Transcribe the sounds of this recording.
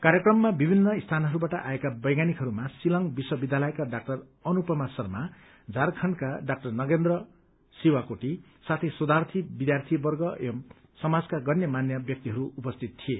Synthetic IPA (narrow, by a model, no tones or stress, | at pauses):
kaɾjekrʌmːabibʱinːʌist̪ʰanɦʌɾubaʈʌʔaekabʌjɡanikɦʌɾumasilʌŋbiswʌbid̪ʱjalʌjkaɖak̚ʈʌr | ʌnupʌmasʌrma | d͡zarkʰʌɳkaɖak̚ʈʌrnʌɡend̪rʌ | siwakoʈi | sat̪ʰesod̪ʱart̪ʰibid̪jart̪ʰibʌrɡʌ | sʌmad͡zkaɡʌnjʌmanjʌbjʌk̚t̪iɦʌɾuupʌst̪ʰit̪t̪ʰie